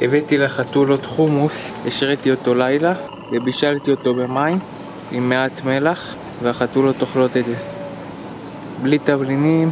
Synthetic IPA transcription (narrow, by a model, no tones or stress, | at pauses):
evet̪ileχat̪ulo̞t̪χumuseʃʁet̪io̞t̪o̞lajla | vebiʃalt̪io̞t̪o̞be̞maim | imːeat̪me̞laχ | veaχat̪ulo̞t̪oχlo̞t̪etze | blit̪avlinim